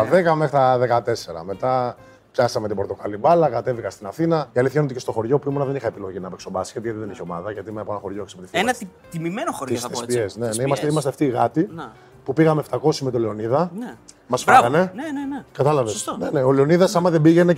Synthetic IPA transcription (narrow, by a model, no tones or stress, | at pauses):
ɐðekɐme̞xɾit̪ɐðekɐt̪e̞seɾɐ̰me̞t̪ɐ | pçɐsɐmet̪ibo̞ɾt̪o̞kɐlibɐlɐkɐt̪e̞vikɐst̪inɐθinɐiɐliθçɐinot̪ice̞st̪o̞xo̞ɾʝo̞puimonɐðe̞nixɐepilo̞ʝinɐːpekso̞bɐsi̥ʝɐt̪iʝɐt̪iðeniçeo̞mɐðɐʝɐt̪imeɐpoenɐxo̞ɾʝoeksɐpot̪iθenɐt̪imimenoxoɾt̪isespiesnenimɐst̪eimɐst̪eft̪iːɣɐt̪i | pupiɣɐme̞ft̪ɐko̞simet̪oleo̞niðɐn | mɐspikɐne̞nenenkɐt̪ɐlɐvesneneo̞leo̞niðɐsɐmɐðebiʝe̞ne